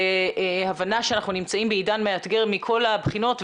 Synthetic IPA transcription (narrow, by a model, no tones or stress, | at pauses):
havanaʃeanaχnunimt͡saimbeidanmeat̪ɡe̞ʁmikʰo̞labχino̞tv